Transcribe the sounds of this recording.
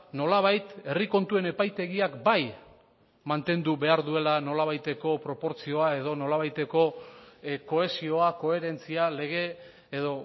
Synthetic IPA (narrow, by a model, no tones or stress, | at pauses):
no̞laβ̞ajt̪e̞riko̞nt̪ue̞ne̞pajt̪e̞ɣiakbaj | mant̪e̞nd̪uβe̞aɾðue̞lano̞laβajt̪e̞ko̞pɾo̞po̞ɾt͡sio̞ae̞ðo̞no̞laβajt̪e̞ko̞ | ko̞e̞sio̞ako̞e̞ɾe̞nt͡siale̞ɣ̞e̞ː | ðo̞